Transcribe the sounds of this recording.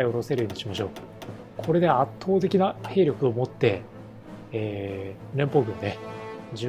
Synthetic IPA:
io̞ɾo̞se̞ɾɯ̟jo̞ːɲi̥ɕimaɕo̞ː | kʰo̞ɾe̞d̪e̞at̪ʰːo̞ːt̪e̞kʲinahe̞ːɾʲjokɯ̟o̞mo̞t̪ːe̞ | eːɾẽ̞mpo̞ːɡɯ̟̃nd̪ed͡ʑ

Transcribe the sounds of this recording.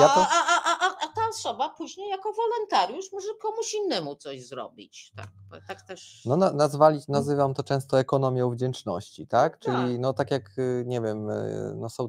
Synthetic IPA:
japaaʔaʔaʔaʔat̪aɔsɔbapuʑɲejakɔvɔlɔnt̪aɾjuʂmɔʐɛkɔmuɕinːɛmut̪sɔʑzɾɔ̰bʲḭt͡ɕt̪a̰kt̪akt̪ɛʂnɔnanazvalʲinazɘvamt̪ɔt͡ʂɛ̃st̪ɔɛkɔnɔmʲjɔ̃w̃vd͡ʑɛnt͡ʂnɔ̰ɕt͡ɕit̪akt͡ʂɘlʲinɔt̪akʲjakɲɛvʲjɛmnɔsɔ̃w̃

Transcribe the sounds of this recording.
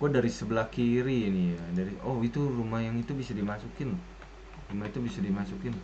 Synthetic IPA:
ɡuadaɾisəbəlahkiɾinijadaɾiʔɔhit̪urumahjaŋit̪ubisadimasukɪnlah | rumait̪ubisadimasukɪn

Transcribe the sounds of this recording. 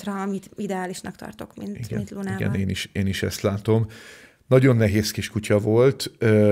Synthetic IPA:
rɒɒmit̪id̪ɛaːliʃnɒkt̪ɒ̰rt̪o̞kmḭnt̪iɡɛluniɡɛ̰neːniʃeːniʃɛ̰st̪laːt̪o̞m | nɒɟo̞nːɛɦeːskiʃkucɒvo̞lt̪ø

